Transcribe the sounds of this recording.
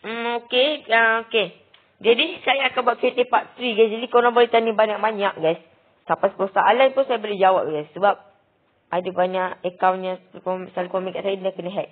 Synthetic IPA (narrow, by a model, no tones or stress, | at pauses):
m̩okeəoke | d͡ʒadisajaːkanbuat̪fet̪epaʔt̪ɾiɡasd͡ʒadikəoɾaŋbolet̪anĩbaɲaʔ̚baɲaʔ̚ɡas | sapaskosaalanp̪unsajabolɛhd͡ʒawap̚ɡajsːəbap̚ | ʔadəbaɲaʔəkawɲãkomsalakomĩkaʔsainakənəɦɛt̪̚